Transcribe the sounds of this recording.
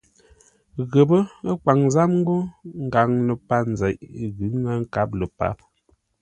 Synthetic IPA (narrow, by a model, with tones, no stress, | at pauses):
ɣə˨bə˦ə˦k͡pa˨ŋza˦mŋ̩˦ɡo˦ŋ̩˦ɡa˨ŋlə˨pa˦˨n˨zɛ˨ʔɣʉ˨˦ŋa˦ŋ̩˦ka˦p̚lə˨pa̰˨˦p̚